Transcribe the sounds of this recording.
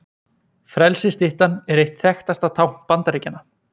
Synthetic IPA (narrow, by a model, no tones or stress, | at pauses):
fɾɛlsɪst̪ɪht̪anɛɾejht̪θɛxt̪ast̪at̪ʰawmpant̪aɾeːcanːa